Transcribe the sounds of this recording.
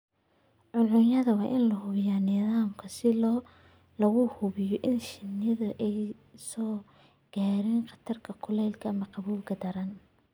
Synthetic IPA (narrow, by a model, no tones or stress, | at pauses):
ʕʊnʕʊnjɐðɐwɑːʔɪnlɐɦʊβɪjanɪðaːmkʰɐsɪlː | lɐɣʊhʊβɪjɔʔɪnʃɪnɐðɐʔɛj | sɔː | ɡ̥aːɾiːnqɑt̪ʰɐrkʰɐkʰʊlɛːlkʰɐmɐqɑβuːlɡɐd̪ɐɾɐn